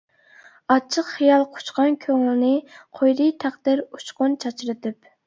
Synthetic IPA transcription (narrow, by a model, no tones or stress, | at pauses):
ɑt͡ʃʰːəqχijɑlˠqʰʊ̥t͡ʃqɑnkʲʰøŋɪlnɨqʰojɾijt̪ʰæχd̪ɪɾut͡ʃqʊnt͡ʃʰɑt͡ʃɾɨt̪ʰɪp